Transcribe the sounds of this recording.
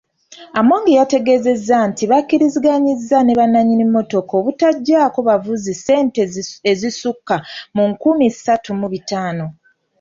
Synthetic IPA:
amoːŋɡejate̞ɡe̞ːze̞zːantiβakːiɾiziɡaɲizːane̞βanːaɲinimːo̞to̞ko̞βutaɟːaːko̞βavuzise̞ːnteezisukːamuŋkumisatumuβitaːno̞

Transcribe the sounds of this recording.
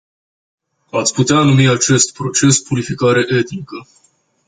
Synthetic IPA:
at̪sʲput̪eanumiat͡ʃe̞st̪pɾo̞t͡ʃe̞spuɾifikaɾe̞ʔe̞t̪nikə

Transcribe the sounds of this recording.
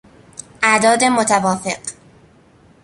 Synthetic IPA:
ʔæd̪ɒːd̪emot̪ʰævɒːfeɢ

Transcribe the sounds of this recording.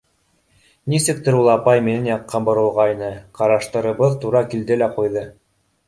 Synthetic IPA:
nisɘ̆k̚t̪ɘ̆ɾulˠɑpɑjminɘnjɑqːɑmbŏɾɤ̆lˠʁɑinɤqɑɾɑʃt̪ɤ̆ɾɤ̆βɤðt̪uɾɑkild̪ɘlæqujðɤ

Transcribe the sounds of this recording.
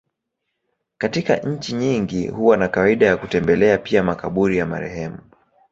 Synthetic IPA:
katika̰ʔɲ̩t͡ʃiɲiŋɡḭhuwanakawaiɗajakutɛmbɛlɛapiamakaɓuɾijama̰ɾɛ̰hɛmu

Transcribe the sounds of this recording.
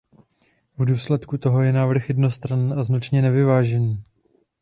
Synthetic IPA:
vduːslɛt̪kut̪o̞ɦo̞jɛnaːvr̩xjɛdno̞st̪ɾaniːʔaznat͡ʃɲɛnɛvɪvaːʒɛniː

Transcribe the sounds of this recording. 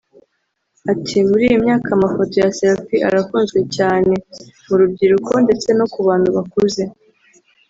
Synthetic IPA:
atʰimuɾḭjimɲaːkamafo̞to̞jaselfiʔa̰ɾafuːnzɡwe̞caːne̞muɾub̚ɟiɾukʰo̞nde̞t͡se̞no̞kuβaːn̥huβakuze̞

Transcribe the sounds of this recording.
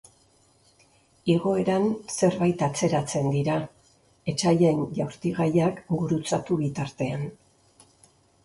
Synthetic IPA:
iɣo̞e̞ɾanse̞ɾβajt̪at͡se̞ɾat͡se̞nd̪iɾa | e̞t͡ʃaʎe̞nʝawɾt̪iɣajakɡuɾut͡sat̪uβit̪aɾt̪e̞an

